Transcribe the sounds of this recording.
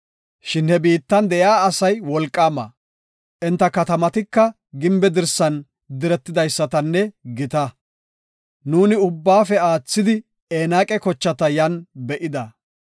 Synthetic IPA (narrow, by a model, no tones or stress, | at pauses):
ʃɪnhɛbiːt̪ːɐnd̪ɛjaːɐsɐjwɔlkʼːaːmɐ̰ | ʔɛnt̪ːɐkɐt̪ɐmɐt̪ɪkːɐ | ɡɪmbɛd̪ɪɾsɐn | d̪ɪɾɛt̪ːɪd̪ɐjsːɐt̪ɐnːɛɡɪt̪ɐ | nuːnɪʊbːaːfɛaːt͡sːɪd̪ɪ | eːnaːkʼɛkɔt͡ʃːɐt̪ɐjɐnbɛʔɪd̪ɐ